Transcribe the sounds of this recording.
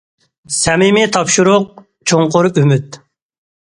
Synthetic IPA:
sɛmɪmit̪ʰɑpʃuɾʊq̚ | t͡ʃʰoŋqʊɾymyt̪̚

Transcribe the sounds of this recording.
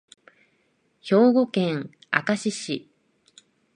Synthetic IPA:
ço̞ːɡo̞kẽ̞ŋ | a̰kaɕiɕi

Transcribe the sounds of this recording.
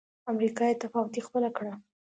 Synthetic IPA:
amɾikɑjet̪afɑwʊt̪ixpəlakɽa

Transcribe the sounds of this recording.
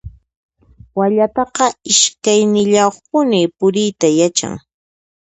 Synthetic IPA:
waʎat̪ɑqɑɪʃkajnɪʎawχpʊnɪpʊɾɪjt̪ajat͡ʃa̰ŋ

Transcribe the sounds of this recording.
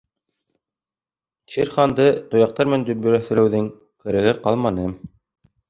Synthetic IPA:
t͡ʃiɾχɑnd̪ɤt̪ŏjɑq̚t̪ɑɾmænd̪ɵ̆bɵ̆ɾæθɘ̆ɾɘ̆wðɘŋ | kɘ̆ɾæ̆ɣɘqɑlˠmɑnɤ

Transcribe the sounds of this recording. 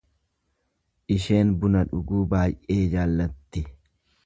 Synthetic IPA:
ʔɪʃe̞ːnbʊnɐᶑʊɡuːbaːjʔe̞ːd͡ʒaːlːɐt̪ːɪ

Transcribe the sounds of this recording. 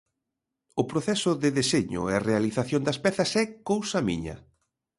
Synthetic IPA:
ʊpɾoθɛsʊðɪðeseɲʊ̰earealiθaθjond̪ɐspɛθɐsɛkowsɐmḭɲɐ̰

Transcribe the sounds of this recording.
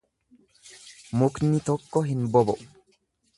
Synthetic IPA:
mʊknɪt̪ɔkːɔɦɪnbɔbɔ

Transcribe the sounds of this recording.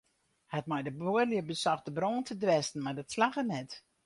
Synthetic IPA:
hɛt̚majdəboərljəbəsɔxdəbroːntʰədwɛstn̩mardɔtslaxənɛt

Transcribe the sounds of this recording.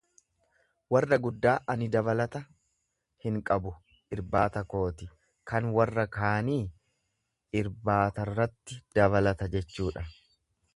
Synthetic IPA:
wɐrːɐɡʊd̪ːaːʔɐnɪd̪ɐbɐlɐt̪ɐ | hɪŋkʼɐbʊ | ʔɪɾbaːt̪ɐko̞ːt̪ɪ | kɐnwɐrːɐkaːniː | ɪɾbaːt̪ɐrːɐt̪ːɪd̪̥ɐβɐlɐt̪ɐd͡ʒɛt͡ʃːuːᶑɐ

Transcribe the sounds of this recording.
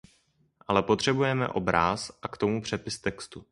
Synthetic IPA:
ʔalɛpo̞t̪r̝̥ɛbujɛmɛ̰ʔo̞̰bɾaːsʔakt̪o̞mupr̝̥ɛpɪst̪ɛkst̪u

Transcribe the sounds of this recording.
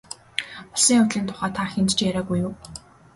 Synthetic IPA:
pɔsĭŋʊt̪ɮiːnt̪ʰʊ̥χæːt̪ʰaxent̪t͡ɕjæɾaːɡujʊː

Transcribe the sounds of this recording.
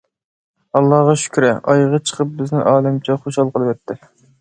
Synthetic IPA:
ɑlˠːɑhʁɑʃy̥kʲɾɪ̰ʔɑjʁɑt͡ʃʰə̥qʰəp̚bɪznɪŋʔɑːlɛmt͡ʃʰɛχoʃhɑlˠqəlˠɨwɛt̪ʰːɪ

